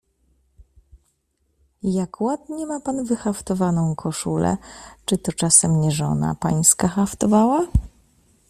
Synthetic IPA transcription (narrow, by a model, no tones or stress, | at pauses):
jakwad̪ɲɛmapanvɘxaft̪ɔvanɔ̃w̃kʰɔʂulɛ̰t͡ʂɘt̪ɔt͡ʂasɛmɲɛʐɔ̰na̰paɲskaxaft̪ɔvawa